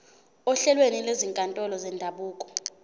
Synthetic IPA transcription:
ɔɬɛlwenileziŋkʼantʼɔlɔzɛndʱaɓuːkʼɔ̥

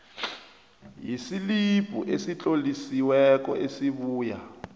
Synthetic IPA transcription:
jisilipʼṵʔesit͡ɬʼolisiwɛkɔʔesiβuːja

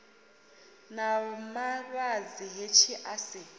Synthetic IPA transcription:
namaβaziɦet͡ʃʰiʔasɪ

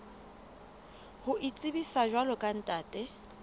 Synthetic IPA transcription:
hʊʔit͡sʼɪbisaʒwalɔkʼan̩tʼaːtʼɛ

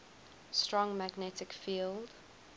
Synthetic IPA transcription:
stɹɔ̃ŋmæɡnɛtɪkfiːlˠd̥

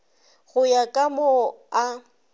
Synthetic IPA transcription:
ɣʊjakʼamoa

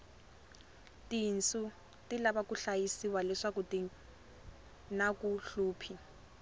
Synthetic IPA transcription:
tin̩su | tilabakuɬajisiwalɛʂakuti | nakuɬuːpʰi

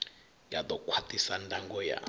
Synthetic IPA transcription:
jad̪ɔkʰwatisandʱʼaŋɡɔja̰

